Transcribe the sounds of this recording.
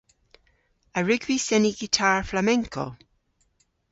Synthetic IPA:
əɹʉɡwisɛniɡitʰaːɹflamɛŋkʰo̰

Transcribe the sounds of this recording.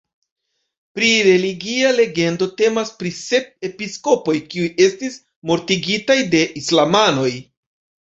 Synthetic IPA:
pɾiɾe̞liɡiale̞ɡe̞ndo̞te̞maspɾise̞p̚e̞pisko̞po̞jkiuje̞stis | mo̞ɾtiɡitajde̞ʔislamano̞j

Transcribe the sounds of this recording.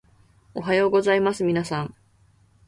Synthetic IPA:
o̞ɦajo̞ːɡo̞zaimasɨmʲinasãŋ

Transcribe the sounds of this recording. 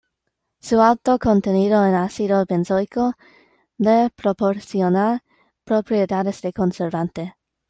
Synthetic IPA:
sualt̪okont̪eniðoenasiðobensojko | lepɾopoɾsionaɾ | pɾopɾied̪adezd̪e̞ko̞nseɾvant̪e

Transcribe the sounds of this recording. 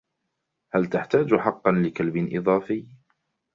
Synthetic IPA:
halt̪aħt̪aːd͡ʒħɑqːɑnlɪkalbɪnʔɪðˤɑːfɪː

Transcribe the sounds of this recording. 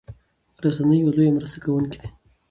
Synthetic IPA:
ɾasanəjalojamɾəst̪akawunki̥d̪e̥

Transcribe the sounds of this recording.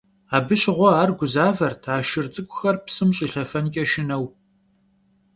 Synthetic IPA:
aːbɨɕɪʁʷɔaːrɡʷʊzaːvɐrtʰaːʃɪrt͡sʼɨkʷʼʊxɐrpsɨmɕʼiːɬɐfɐnkʲʼɐʃɪnɐw

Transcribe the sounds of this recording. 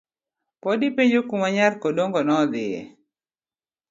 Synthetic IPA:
pɔdipeɲd͡ʒokumaɲarkodoŋɡɔnɔd̪ɪjɛ̰

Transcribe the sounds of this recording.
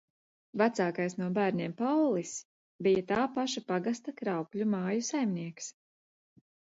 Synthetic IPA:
vat̪saːkajsnuɔbæːɾɲeɛːmpawlˠis | bijat̪aːpaʃapaɡast̪akɾawklʲumaːjusajmniɛks

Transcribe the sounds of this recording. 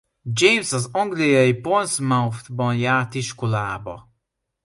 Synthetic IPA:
d͡ʒejmsɒzɒŋɡlijɒjiponsmauft̪bɒnjaːrt̪iʃko̞laːbɒ̰

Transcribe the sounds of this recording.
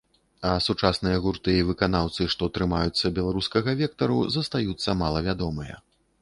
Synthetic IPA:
ɐsut͡ʂasnɨjɐɣurt̪ɨjivɨkanawt̪sɨʂt̪ɔt̪ɾɨmajut̪sːɐbʲɛlˠaɾuskɐɣɐvʲɛk̚t̪ɐɾuzɐst̪ajut̪sːɐmalˠɐvʲad̪ɔmɨjɐ̰

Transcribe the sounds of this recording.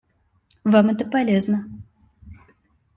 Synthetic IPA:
vamɛt̪əpɐlʲeznə

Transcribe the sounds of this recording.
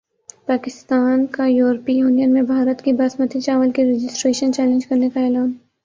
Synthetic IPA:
paːkɪst̪aːnkajuːɾpijuːnijənmẽbʱaːɾət̪kibaːsmət̪ʰit͡ʃaːʋəlkiɾed͡ʒɪsʈɾeːʃənt͡ʃɛːlẽnd͡ʒkɐɾnekaɛːlaːn

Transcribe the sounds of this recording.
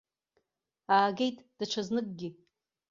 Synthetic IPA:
aːɡʲejtʼd̥aʈ͡ʂʷʰaznɨkʼɡʲɪ

